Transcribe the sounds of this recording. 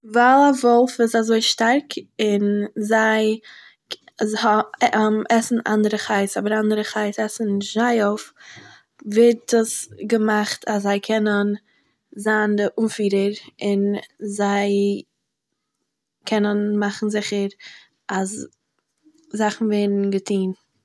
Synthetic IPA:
valˠavɔlˠfɪsazoɪʃtaɾkɪnzaɪ | hɔɛmɛsn̩a̰ndəɾəχaɪsɔbəɾandəɾəχaɪsɛsn̩ʃaɪoʊf | vɪɾtəsɡəmaχtʰaszaɪkʰɛnən | zaːndəʔunfiːɾəɾɪnzaɪ | kʰɛnənmaχn̩zɪχəɾ | as | zaχn̩veɪdn̩ɡətʰiːn

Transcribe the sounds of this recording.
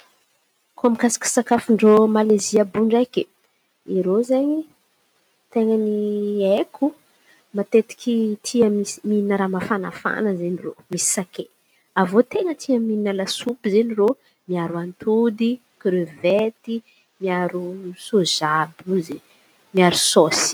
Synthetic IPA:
koamikasḁkʲi̥sakafuɳɖ͡ʐomaleziabuɳɖ͡ʐajki | iɾozeɲi | t̪eŋəniekʰu | mat̪et̪i̥kʲit̪ʰiəmimiinəɾamafanafa̰nəzeɲiro̰misi̥sake | avot̪eŋət̪iəmiinalasupizeniro | miaɾuant̪ʰud̪i | kɾøvet̪i | miaɾusozabuzi | miaɾusosi̥

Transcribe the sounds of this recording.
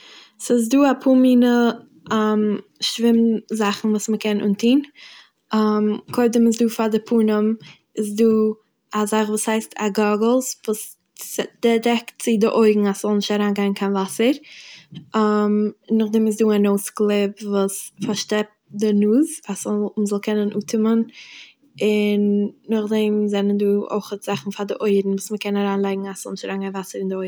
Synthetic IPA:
sɪs̬duːapʰuːmiːnə | amʃvɪmzaχn̩vuːsməkɛnʔʊ̰ntʰiːn | amkʰoɪdəmɪs̬duːfadɪpʰuːnəm | ɪsduː | azaχvuːshaɪstʰa̰ɡɔɡl̩ˠsvuːs | d̥ɛdɛktt͡sɪdɪʔoɪɡŋ̩asz̥ɔlˠnɪʃtaɾaːnɡaɪnkʰaɪnvasəɾ | amnːʊχdɛmɪs̬duːanoʊsklˠɪpvuːsfaɾʃtɛp̚dɪnuːzasɔlməzɔlˠkʰɛnənʔṵːtʰɪmən | ɪnːʊχdɛmzɛnənduːo̰ɪχətz̥aχn̩fadɪʔoɪɾn̩vuːsməkɛnaɾaːnlˠaɪɡŋ̩asz̥ɔlˠnɪʃtaɾaːnɡaɪnvasəɾɪndɪoɪ

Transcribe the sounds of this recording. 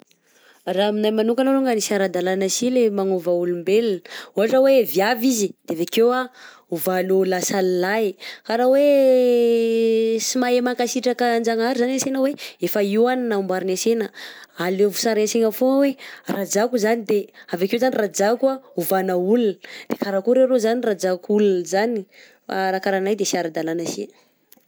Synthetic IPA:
raminajmanuŋkanoɾoŋɡanisaɾad̪alanasilemaŋovaulumbelinəuaʈ͡ʂaweviavizid̪̥eavakewa | uvalolasalilakaɾawe | simajemaŋkasiʈ͡ʂakənd͡ʒaŋaɾizanasenəweefəiwaninaumbaɾinasenəalevusaɾeseŋəfowerad͡ʒakuzanid̪eavakewzanirad͡ʒakuauvanəulunəd̪̥ekaɾakuɾeɾozanirad͡zakulunəzanḭ | ɾakaɾanajd̪esiaɾad̪alanasḭ

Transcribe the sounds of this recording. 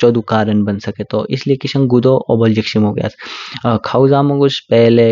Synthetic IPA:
t͡ʃoːd̪ukaːɾənbɐnsɐket̪oʔɪsliekisɐ̃ŋɡud̪oʔobɐld͡ʒikʃimɦoɡja̰ːskʰauzamɐɡuspɛɦle

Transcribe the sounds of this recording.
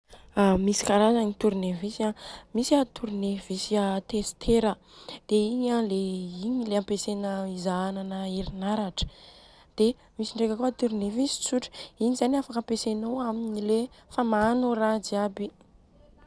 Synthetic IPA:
amisi̥kaɾazaŋit̪uɾunevisamisat̪uɾnevisiat̪est̪ʰeɾə | d̪̥eiɲaleiɲileampesenəizaananəeɾinaɾaʈ͡ʂə̥ | d̪̥e | misiɳɖ͡ʐekʲakuət̪uɾnevisi̥t͡suʈ͡ʂinizaniafakampesenowaminilefamaːnorad͡ziabi

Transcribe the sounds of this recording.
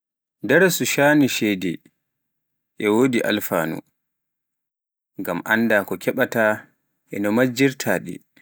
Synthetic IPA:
dɛɾsuʃaniʃɛjdɛ | ʔɛwodiʔa̰lfa̰ːnṵ | ŋɡamʔandaːkɔkʰɛɓata | ʔɛnɔmad͡ʒiɾtʰaːɗḭ

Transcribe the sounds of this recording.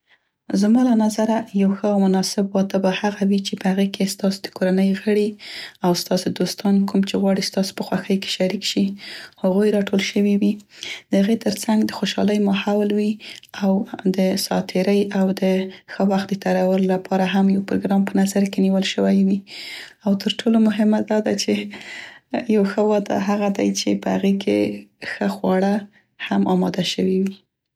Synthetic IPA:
zmɑlanazaɾajawxəawmʊnɑsɪbwɑt̪əbahaɣawit͡ʃepəhaɣekest̪ɑso̥d̪̥əkoɾanəjɣəɽiawst̪ɑsod̪ost̪ɑnkumt͡ʃeɣwɑɽist̪ɑso̥pəxwaxəjke̥ʃaɾikʃihaɣojɾɑʈolʃəwiwid̪̥əhaɣet̪əɾt͡saŋɡd̪əxoʃɑ̰ləjmɑhawlwiawd̪əsɑ̰t̪ʰɪɾəjawd̪əxəwaxt̪̚d̪ət̪aɾawəlolapʰɑɾaɦamjawpɾoɡɾɑmpənazaɾkeniwəlʃəwajwi | awt̪ʰəɾʈʰolomʊɦɪmad̪ɑd̪at͡ʃe | jawxəwɑd̪a̰ɦaɣad̪ajt͡ʃepəha̰ɣekʰḛxəxwɑɽa | hamʔɑmɑd̪aʃəwiwi

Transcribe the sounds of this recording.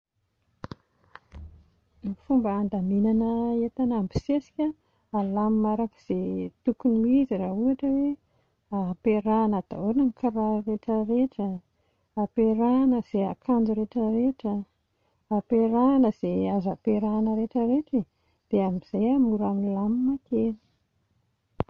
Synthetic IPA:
ifumbəːnd̪aminanəet̪anambi̥sesi̥kʲa | alamimaɾaki̥z̥et̪ukuniiziraɦuaʈ͡ʂəwe | aapeɾanəd̪̥a̰onanikaɾareʈ͡ʂəɾeʈ͡ʂə | apeɾanəz̥eakʰand͡ʒuɾeʈ͡ʂəɾeʈ͡ʂə | apeɾanəz̥eazapeɾanəɾeʈ͡ʂəɾeʈ͡ʂi | d̪̥eamiz̥ajamuɾaminlamimakeni̥

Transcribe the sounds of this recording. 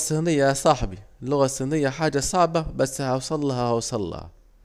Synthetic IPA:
sˤːiːnɪjːasˤɑħbilːʊɣasˤːiːnɪjːaħaːd͡ʒasˤɑʕbabasːhawsˤɑlːɑhɑwsˤɑlːɑ̰hɑ̰

